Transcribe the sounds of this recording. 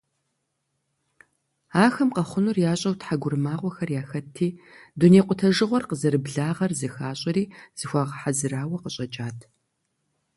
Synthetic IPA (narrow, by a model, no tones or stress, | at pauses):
aːxɐmqɐχʷʊnurjaːɕʼɐwtħaɡʷʊrmaːʁʷɔxɐrjaːxɐtʰiːduneːqʷʼʊtʰɐʒɨʁʷɔrqəzɐɾɨbɮaːʁɐrzɨxaːɕʼɐɾiːz̥ɨxʷɑːʁɐħazɨɾaːwɐqəɕʼɐt͡ʃʼaːtʰ